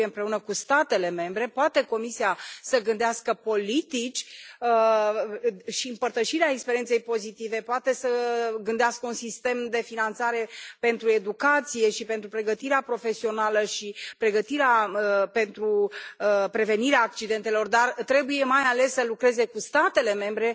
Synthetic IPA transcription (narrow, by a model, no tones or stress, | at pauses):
eɨmpɾe̞unəkust̪at̪e̞le̞me̞mbɾe̞poat̪e̞ko̞misiasəɡɨnd̪easkəpo̞lit̪it͡ʃʲə | ʃiɨmpərt̪əʃiɾeaekspeɾie̞nse̞jpo̞zit̪ive̞poat̪e̞səɡɨnd̪easkəunsist̪e̞md̪e̞finant̪saɾe̞pe̞nt̪ɾue̞d̪ukat̪sije̞ʃipent̪ɾupɾe̞ɡət̪iɾeapɾo̞fe̞sio̞naləʃipɾe̞ɡət̪iɾeaəpe̞nt̪ɾuəpɾe̞ve̞niɾeaːkt͡ʃid̪e̞nt̪e̞lo̞rd̪art̪ɾe̞buje̞majale̞sːəlukɾe̞ze̞kust̪at̪e̞le̞me̞mbɾe̞